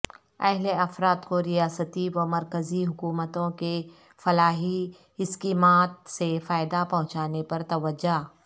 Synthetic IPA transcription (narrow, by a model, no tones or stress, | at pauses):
ɐɦleɐfɾaːt̪koɾijaːsət̪iʋɐmɐɾkəziɦʊkuːmət̪õke | fɐlaːɦi | ɪskiːmaːt̪̚sefaːɪd̪apɐ̃ɦʊ̃t͡ʃaːnepɐɾt̪ɐʋəd͡ʒaː